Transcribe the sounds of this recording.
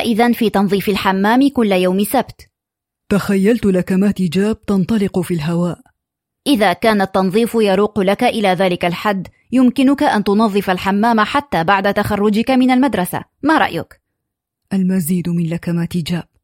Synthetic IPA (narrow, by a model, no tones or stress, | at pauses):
ʔɪðanfiːt̪ɑnðˤiːfɪlħamːaːmɪkʊlːjawmɪsabt̪ | t̪axajːalt̪ʊlakamaːt̪ɪd͡ʒaːb̥̚t̪ɑnt̪ˤɑlɪqʊfiːlɦawaːʔ | ʔɪðaːkaːnat̪ːɑnðˤiːfjɑɾuːqlakaʔɪlaːðaːlɪkalħad̪ː | jʊmkɪnʊkaʔant̪ʊnɑðˤːɨfalħamːaːmaħat̪ːaːbaʕd̪at̪axɑrˤːʊd͡ʒɪkamɪnalmad̪ɾˤɑsa̰maɾˤɑ̰ʔjʊ̰k | ʔalmaziːd̪mɪnlakamaːt̪ɪd͡ʒaːb̥̚